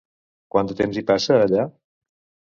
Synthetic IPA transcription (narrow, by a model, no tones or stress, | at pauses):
kwant̪ət̪emzipasəːʎa